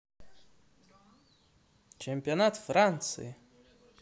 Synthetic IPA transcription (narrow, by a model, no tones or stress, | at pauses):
t͡ʃʰemʲpʲionat̪frant̪sʰɨ̰ji